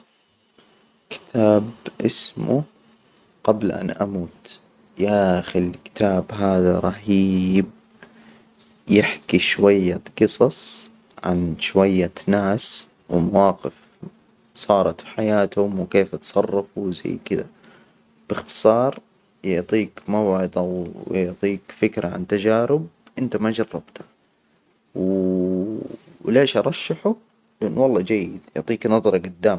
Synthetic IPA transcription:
kɪ̥t̪ʰaːbʔɪsmṵ | ɡ̥ablʔa̰nʔamuːt̪ | jaːxɪlkɪ̥t̪ʰaːbɦaːðaɾˤɑhiːb̚ | jɪħkiʃwajːaqɨsˤɑsˤ | ʕa̰nʃwajːanaːs | wmawɑːqɪf | sˤɑːɾˤɑt̪ħajaːt̪hʊmwɪkeːfɑt̪sˤɑrˤːɑfuwza̰jːkɪd̪a̰ | b̥ɪxt̪ɨ̥sˤɑːɾˤ | jʊʕt̪ˤiːkmawʕɪd̪ˤawjʊʕt̪ˤiːkfɪkɾʔa̰ʕa̰nt̪ad͡ʒaːɾɪb̚ʔɪnt̪amad͡ʒɑrˤːɑb̥t̪ḁ | w | leːʃʔɑɾˤɑʃːaħʊ | lɪʔɪnːwɑlˤːɑːd͡ʒajːɪd̪jʊʕt̪ˤiːknɑðˤɑɾˤɑɡʊd̪ːaːm

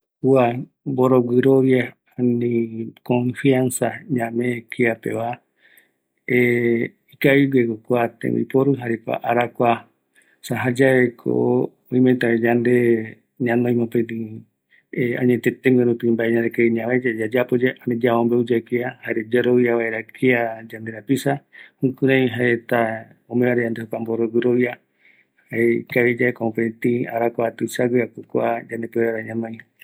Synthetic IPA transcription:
ua | mboɾoɡɨɾoʋja | anĩkõɱfiansaɲãmẽkiapḛʋa | e | ikaiɡekokʷat̪ḛ̃wḭpoɾɨɦaɾekʷa̰ʔaɾakʷa | saɦad͡ʒaekʰo̰ | õĩmet̪aed͡ʒand̪e | ɲãnd̪oj̃mõpẽt̪ĩ | ea̰ɲet̪et̪eŋɡeɾupĩmbaʔeɲand̪ekeiɲãed͡ʒad͡ʒad͡ʒapod͡ʒeʔaned͡ʒaombeud͡ʒakiahaeɾed͡ʒaɾoβjaβaeɾakʰiad͡ʒand̪eɾapisahũkuɾãjɦaet̪a | omẽβaɾed͡ʒand̪ehokamboɾoɡɨɾoβia | haekaɾed͡ʒaekoõpet̪ĩaɾakʷaat̪usaɡɨakukʷad͡ʒand̪epeeɾaɾaɲãnõj̃

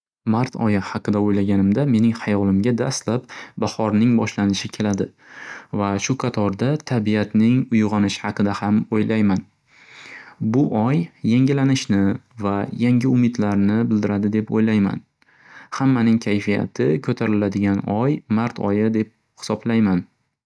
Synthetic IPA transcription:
maɾt̪ʰɒ̰jɪhɑqɨd̪aojlaɡʲanɪmd̪ame̞nɪŋhajɒlˠɪmɡʲad̪a̰st̪lap̚bahɒɾnɪŋbɒʃlanɪʃɪkʲʰe̞lad̪ɪ | vaʃʊqʰɑt̪ʰɒɾd̪at̪ʰabiat̪nɪŋʊjʁɒnɪʃɪ̥hɑqɨd̪ahamojlʔajman | bʊʔɒjːeŋʲɪlanɪʃnɪvajaŋʲɪʊmɪd̪laɾnɪbɪld̪ɪɾad̪ɪd̪e̞po̰jlajma̰n | hamːanɪŋkʲʰajfija̰t̪ʰɪkʰɵt̪ʰaɾɪlad̪ɪɡʲanɒjmaɾt̪ʰɒ̰jɪd̪e̞p̚ | hɪ̥sɒblajman

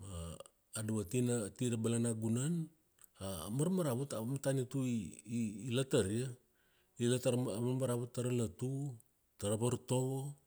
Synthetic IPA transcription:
maː | duβatinatiɾabalanaɡunan | a̰maɾmaɾaβutaβamatanituiː | lataɾia | ilataɾmaɾmaɾaβutːaɾalatu | taɾaβaɾto̞βo

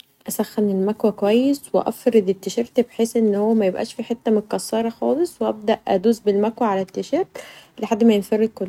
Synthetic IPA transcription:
ʔæsæxːænelmækwækowæjːesweʔɑ̰fɾed̪et̪ːeʃeɾˤt̪bħeːsʔenːhowːæmæjebʔæ̰ːʃfiːħet̪ːæmekːɑsːɑːɾˤɑxɑːlesˤweʔæ̰b̚d̪æʔʔæ̰d̪uːzbelmækwæʕalæt̪ːeʃeɾt̪leħad̪ːmæjenfɑrˤːed̪̚kolː

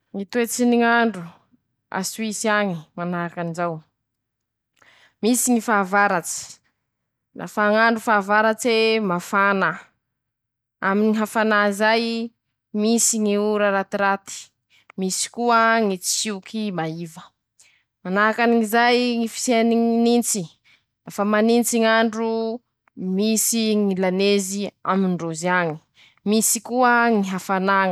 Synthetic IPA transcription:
ŋit̪uet͡siniŋaɳɖ͡ʐu | a̰suisiaŋimanakanizaw | misiŋifavaɾat͡si̥ | na̰faŋaɳɖ͡ʐufavaɾat͡semafana | aminiɦafanazaj | misiŋiuɾaɾat̪iɾat̪i̥ | misi̥kuəŋit͡si̥siukimaivə | manaakaniizajŋifi̥seniŋinint͡si | lafamanint͡siŋaɳɖ͡ʐu | misiŋilanezia̰minɖ͡ʐoziaɲi̥ | misikuəŋiɦafana

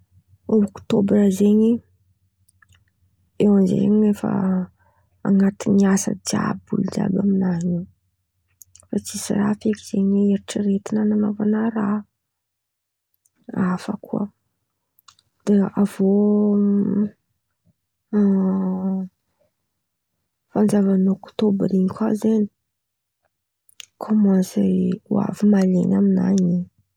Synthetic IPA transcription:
okt̪obrəzeɲi | ewanzḛɲinefa̰ | a̰ŋat̪iniasə̰d͡ʒa̰bṵld͡ʒa̰baminaɦi | fat͡sisḭra̰fekiz̥eɲieɾiʈ͡ʂəret̪inananovanaɾa | afə̰kṵə̰ | d̪̥eav̥o | fand͡zavanokt̪obɾiɲkʲazeni̥ | kʰomanseṵa̰vimalḛɲamina̰ɲi

